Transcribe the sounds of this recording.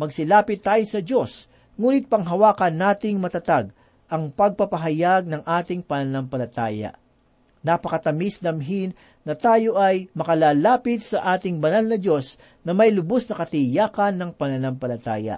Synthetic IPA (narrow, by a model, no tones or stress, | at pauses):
mɐɡsɪlaːpɪt̪ːaːjosɐd͡ʒo̞s | ŋuːnɪt̪̚pɐŋɦɐwaːkɐnːaːt̪ɪŋmɐt̪ɐt̪aɡ | ʔɐŋpɐɡ̚pɐpɐɦɐjaɡ̚nɐŋʔaːt̪ɪŋpɐnɐnampɐlɐt̪a̰ːjɐ̰ | nɐpɐkɐt̪ɐmisd̪ɐmɦinː | ɐt̪aːjo̞ʔɐjmɐkɐlaːlaːpɪt̪̚sɐʔaːt̪ɪŋbɐnalnɐd͡ʒo̞s | nɐmɐjlʊbosnɐkɐt̪ɪjaːkɐnːɐŋpɐnɐnampɐlɐt̪a̰ːjɐ̰